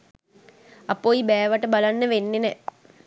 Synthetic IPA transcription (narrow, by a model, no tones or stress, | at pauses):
apoibɛːʋaʈəbalanːəʋenːenɛ